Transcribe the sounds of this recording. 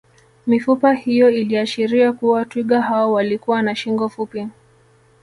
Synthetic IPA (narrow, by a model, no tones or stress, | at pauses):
mifupahijɔiliaʃiɾiakuwatwiɠaɦawɔwalikuwanaʃiŋɡɔfupi